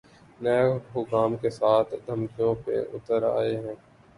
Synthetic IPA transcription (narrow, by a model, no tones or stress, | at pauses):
nɛːɦʊkaːmkesaːt̪ʰd̪ʱəmkijõpḛʔʊ̰t̪əɾa̰ːeɦɛ̃ː